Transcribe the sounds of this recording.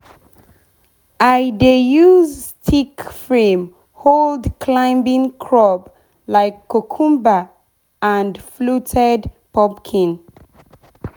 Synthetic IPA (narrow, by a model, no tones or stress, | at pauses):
ʔaɪdejuztʰikfɹẽm | holdkʰlãɪ̃mbĩŋkʰɹɔp | laɪkʰːokʰũmba | ãndflutʰɛdpɔpkʰĩn